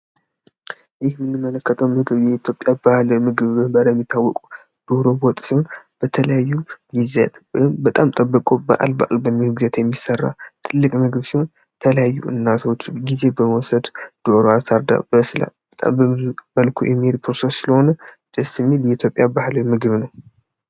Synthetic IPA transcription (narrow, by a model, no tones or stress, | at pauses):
jɪhmɨnːɨmːələkːət̪ʰəwmɨɡɨβjɛit̪ʰjopʼːjabahlmɨɡɨβmɨbəɾajɛmːit̪ʰːawːɔkʼu | d̪̥oɾo̞bot̪ʼsiho̞nb̥ət̪ʰələjajːuɡizɛt̪ɨmbət̪ʼamt̪ʼəbːəkʼobə̰ʔa̰lbaʔlbəmɨhɨɡzət̪jɛmːisərːa̰t̪ʰɨlːɨkʼmɨɡɨβsiho̞n | t̪ʰələjajːṵʔɨ̰nːat̪ʰo̞t͡ʃːɡize̞bəməwɔsəd̪d̪̥oɾoast̪ʰaɾd̪a̰bəsɨla̰bət̪ʼa̰mbəməlkʰṵjʔɛ̰mːihe̞d̪pʰɾosesɨləho̞nə | d̪̥əsɨmːiljɛit̪ʰjo̞pʼjabahlomɨɡɨβnəw